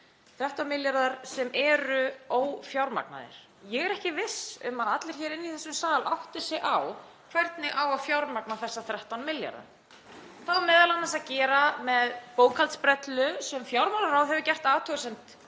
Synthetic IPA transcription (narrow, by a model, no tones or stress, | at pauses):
θɾɛht̪awnmɪljaɾðaɾ̥sɛmɛːɾʏoːwfjawɾma̰k̚na̰ðɪ̰ɾ̥ | jɛɣɛɾɛhcɪvɪsʏmaðat̪lɪɾ̥çɛɾɪnːiθɛsːʏmsaːlʔawht̪ɪ̥sɪɣʔaw | kʰvɛɾt̪nɪʔawaðfjawɾmaknaθɛsːaθɾɛht̪awnmɪlja̰ɾða̰ | θaamɛːðalanːas̬aðcɛːɾamɛðpoːwkʰalt̪spɾɛt̪lʏsɛmfjawɾmaɾðaɾawðɦɛvʏcɛr̥t̪aːt̪ʰœɣsɛmt̪